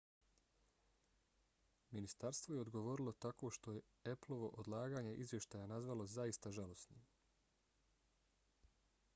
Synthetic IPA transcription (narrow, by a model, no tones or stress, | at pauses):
minist̪aɾst̪ʋoje̞o̞d̪ɡo̞ʋo̞ɾilˠo̞t̪ako̞ʃt̪o̞je̞ | eplˠo̞ʋo̞ʔod̪lˠaːɡaːɲeʔizʋje̞ʃt̪aːjanazʋalo̞zaist̪aʒalo̞snim